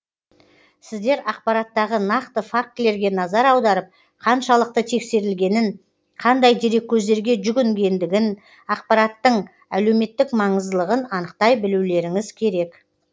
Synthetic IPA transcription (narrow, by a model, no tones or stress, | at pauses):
sɪzd̪e̞ɾɑq̚pɑɾɑt̪ːɑʁənɑqt̪əfak̚t̪le̞ɾɡʲe̞nɑzɑɾɑwd̪ɑɾəp̚ | qʰɑnʃɑlˠəq̚t̪ət̪ʰe̞kse̞ɾɪlɡʲe̞nɪn | qʰɑnd̪ɑjd̪eɾe̞kʲːʰɵzd̪e̞ɾɡʲe̞ʒʏɡʲʏŋɡʲe̞nd̪ɪɡʲɪn | ɑqpɑɾɑt̪ːəɴ | æle̞wme̞t̪ːɪkmɑɴəzd̪əlˠəʁənɑnəqt̪ɑjbɪluwle̞ɾɪŋɪz̥kʲʰe̞ɾe̞k